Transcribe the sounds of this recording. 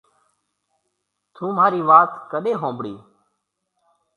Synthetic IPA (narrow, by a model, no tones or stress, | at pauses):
t̪ʰũːmaːɾiːʋaːt̪kəɗeːɦõːmbɽiː